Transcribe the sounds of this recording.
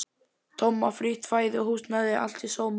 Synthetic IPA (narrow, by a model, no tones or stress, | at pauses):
t̪ʰɔmːafɾiːt̪ʰfaːjðɪɔhuːst̪naðɪa̰l̥t̪isoːwm